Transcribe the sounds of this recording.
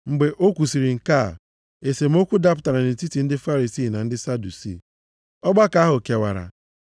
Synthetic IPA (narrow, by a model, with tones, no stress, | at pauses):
ŋ͡m̩˨ɡ͡be˨ʔo˦kʷu˨si˨ɾi˨ŋ̩˨ka˦˨ | e˨se˨m̩˦o˦kʷu˦da˦pʊ˨ta˨ɾa˨nɪ˨n̩˨ti˦ti˨n̩˦dɪ˦fa˦ɾi˨si˦˨na˨n̩˦dɪ˦sa˦du˨sḭ˦˨ | ɔ˦ɡ͡ba˦ka˨˦ɦʊ˨ke˨wa̰˨ɾa̰˨